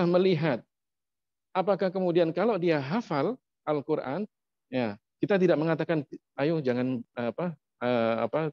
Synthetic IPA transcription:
ahməliɦat̪̚ | apakahkəmudiankalodiaɦafal | ʔalkuɾʔa̰n | ja | kit̪at̪̬idaʔ̚məŋat̪akan | ajʊd͡ʒaŋanapa | əa̰pa

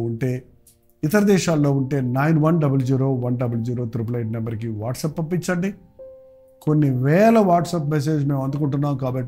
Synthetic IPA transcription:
uɳʈe̞ː | it̪ɐɾɐd̪ɛːʃaːlːo̞ːuɳʈe̞ːnɐjnʋɐnɖɐbɐld͡ʒiːɾo̞ːʋɐnɖɐbɐld͡ʒiːɾo̞ːt̪ɾip̬ɐlɐjʈnɐmbɐɾk̬iʋaːʈsɐpːɐmpːit͡ʃːɐɳɖi | ko̞nːiʋɛːlɐʋaːʈsɐpmes̬e̞ːd͡ʒme̞ːmɐnd̪ukuɳʈunːaːmkaːbɐʈː

